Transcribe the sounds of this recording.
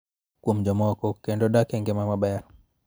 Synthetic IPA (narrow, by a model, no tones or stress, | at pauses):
kwomd͡ʒɔmɔkɔkɛndɔdakɛŋɡɛmamabɛɾ